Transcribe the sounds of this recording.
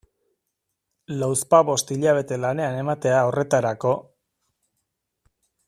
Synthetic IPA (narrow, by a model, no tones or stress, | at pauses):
lawspaβo̞st̪iʎaβ̞e̞t̪e̞lane̞ane̞mat̪e̞ao̞re̞t̪aɾako̞